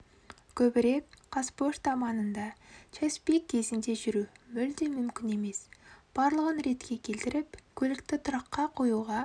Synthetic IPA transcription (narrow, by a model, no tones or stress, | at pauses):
kʲʰɵbɪɾe̞kqʰɑspoʃt̪ɑmɑnənd̪ɑt͡ʃʰespekʲʰːe̞zɪnd̪e̞ʒʏɾumʏld̪emʏmkʲɪne̞me̞sb̥ɑɾlˠəʁənɾe̞t̪kʲe̞kʲʰe̞lt̪ɪɾɪpkʲʰɵlɪkt̪ɪt̪ʰʊɾɑqːɑqʰo̞juʁɑ